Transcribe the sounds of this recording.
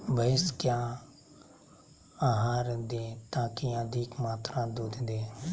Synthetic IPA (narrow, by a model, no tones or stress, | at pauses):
bəɪskjãː | aːɦaːɾd̪eːt̪ãːkiãd̪ʱiːkmaːt̪ɾãːd̪uːd̪d̪eː